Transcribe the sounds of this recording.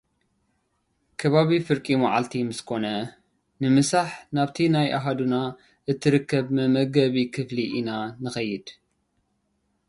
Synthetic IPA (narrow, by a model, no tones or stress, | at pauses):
kʰɐβaβifɨɾkʼimaʕalt̪ʰimɨskʰo̞nɐ | nɨmɨsaħnaβt̪ʰinajʔaɦad̪una | ʔɨt̪ʰːɨɾɨkʰːɐβmɨmɐɡɐβikʰɨfliʔinanɨxɐjːɪd̪̥